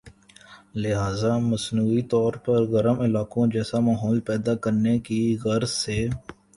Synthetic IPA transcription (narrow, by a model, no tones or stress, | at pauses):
lɪɦaːzaməsnuːit̪ɔːɾpəɾɣəɾəmɪlaːkõd͡ʒɛːsamaːɦɔːlpɛːd̪akəɾnekiɣəɾzseː